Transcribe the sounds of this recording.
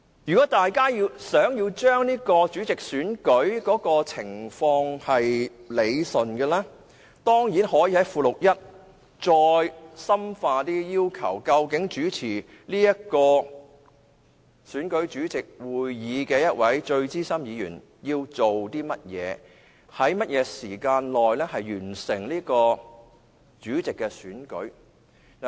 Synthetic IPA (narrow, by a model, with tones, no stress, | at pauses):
jy˨˩kɔ˨˥t̪aː˨jkaː˥jiː˧wsœː˨˥ŋjiː˧wt͡ʃœː˥ŋniː˥kɔː˧t͡ʃyː˨˥t͡sɪ˨k̚syː˨˥nkɵ˨˥ɥkɔː˨˥kɔː˧t͡sʰɪ˨˩ŋfɔː˧ŋhɐ˨jle˨˧jsɵ˨nkɛː˧laː˥ | t̪ɔː˥ŋjiː˨˥nhɔː˨˥jiː˧˩hɐ˨˥jfuː˨˧lʊ˨k̚jɐ˥t̚ | t͡sɔː˧jsɐ˥mfaː˧t̪iː˥jiː˥wkʰɐ̰˨˩wkɐ˧wkɪ˨˥ŋt͡ʃyː˨˥t͡sʰiː˨˩ | liː˥jɐ˥kɔː˧ | syː˨˥nkɵ˨˥ɥt͡ʃyː˨˥t͡sɪ˨k̚wuː˨jːiː˨˧kɛː˧jɐ˥t̚wɐ˨˥jt͡ʃɵ˧ɥt͡siː˥sɐ˥mjiː˨˧jy̰ː˨˩n | jiː˧wt͡so˨wt̪iː˥mɐ˥t̚jɛ̰ː˨˧ | hɐ˨˥jmɐ˥t̚jɛː˨˧siː˨˩kaː˧nlɔː˨jlɛː˥hɐ˨jjyː˨˩nsɪ˨˩ŋliː˥kɔː˧ | t͡ʃyː˨˥t͡sɪ˨kːɛ˧syː˨˥nkɵ˨˥ɥ